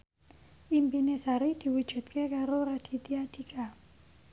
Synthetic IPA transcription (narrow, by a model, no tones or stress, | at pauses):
ʔimpinesaɾid̪̥i̤wud̥ʒ̥ṳt̪kekaɾoɾad̥i̤t̪iad̪̥i̤ka